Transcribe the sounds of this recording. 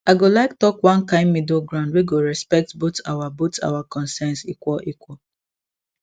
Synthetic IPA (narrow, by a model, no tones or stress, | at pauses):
aɪɡolaɪk̚tɔkwãnkãɪ̃nmidoɡɹãʊ̃ndweɡoɹɛspɛk̚tbota̰wabota̰wakɔ̃nsɛnsikwɔlʔikwɔl